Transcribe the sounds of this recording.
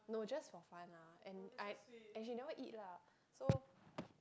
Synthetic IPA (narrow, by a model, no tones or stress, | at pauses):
nod͡ʒasfɔfãnlaɛ̃naɛ̃nʃinowaʔḭt̚la | so